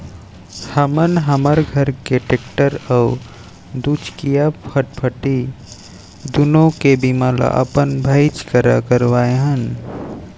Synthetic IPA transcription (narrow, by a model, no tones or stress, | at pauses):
həmənɦəməɾɡʱəɾkeʈek̚ʈəɾau | d̪ut͡ʃʰkijapʰəʈ̚pʰəʈi | d̪unõkebimala̰ʔə̰pənbʱəɪt͡ʃkəɾakəɾwaeɦən